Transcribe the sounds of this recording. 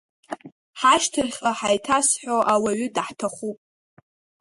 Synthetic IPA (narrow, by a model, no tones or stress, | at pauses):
ħaʃtʰɨrχʲʼaħajtʰasħoʔawaɥʏdħtʰaχupʼ